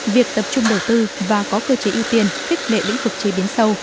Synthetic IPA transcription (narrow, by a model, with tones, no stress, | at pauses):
vi˨˩ək̚t̪ə˨˩p̚t͡ɕʊ˧ŋ͡mɗə˨˩wt̪ɨ˧vaː˨˩kɔ˨˦kəː˧t͡ɕe˨˦ʔi˧wt̪i˧ənxi˦˥k̟̚lḛ˧˨lḭ˧˥ŋ̟vɨ˨˩k̚t͡ɕəː˨˦ɓi˨˦ənsə˧w